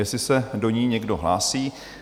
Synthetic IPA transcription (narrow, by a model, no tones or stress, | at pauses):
jɛsɪsɛdo̞ɲiːɲɛɡdo̞ɦlaːsiː